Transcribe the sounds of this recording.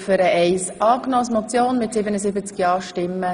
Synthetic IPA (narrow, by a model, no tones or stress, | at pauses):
fʏɾəʔɛɪsʔɑːknɔsmɔt͡sjoːnmɪtsɪbənəsɪbət͡skjɑːʃtɪmːə